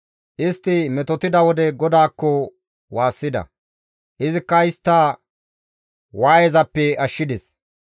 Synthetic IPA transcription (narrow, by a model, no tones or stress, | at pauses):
ʔɪst̪ːɪmɛt̪ɔt̪ɪd̪ɐwɔd̪ɛɡɔd̪aːkːɔ | waːsːɪd̪ɐ̰ | ʔɪzɪkːɐɪst̪ːɐ | waːjɛzɐpːɛɐʃːɪd̪ɛs